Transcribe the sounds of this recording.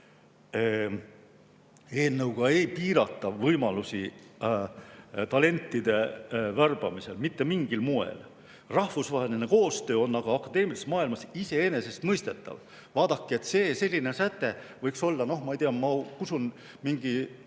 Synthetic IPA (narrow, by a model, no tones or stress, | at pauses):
e̞ːnːewɡ̥ɑe̞jpiːɾɑt̪ːˑɑvɤjmɑlusi | t̪ɑle̞nʲt̪ˑːid̪̥e̞værb̥ɑmise̞̰lmit̪ːe̞miŋɡ̥ilmuḛl | rɑhfusvɑːɦe̞lineko̞ːst̪ø̞ːo̞nːɑɡ̥ɑɑkːˑɑd̪e̞ːmilist̪mɑːilmɑsise̞e̞ne̞se̞st̪mɤjst̪e̞t̪ːˑɑ̰v | vɑːd̪ɑkːˑie̞t̪ːˑse̞ːse̞lʲːine̞sæt̪ːˑe̞vɤjkso̞lːɑno̞hmɑijt̪eɑmɑkusun | miŋɡ̥i